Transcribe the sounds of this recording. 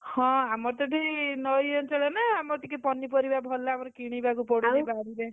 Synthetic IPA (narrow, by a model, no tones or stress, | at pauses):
hɔ̃amɔɾt̪ɔʈʰinɔjɔnt͡ʃɔɭenaamɔɾt̪ikepɔnːipɔɾibabʱɔlːaːmɔɾekiɽ̃ibakupɔɽiɾebaɽiɾe